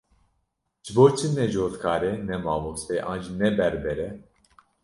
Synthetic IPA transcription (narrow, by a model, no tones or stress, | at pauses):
ʒ̥ɨboːɾt͡ʃʰinɛʒoːt̪kʰaːɾɛnɛmaːvosɛʔɑ̰ːnd͡ʒinɛbɛɾbɛɾɛ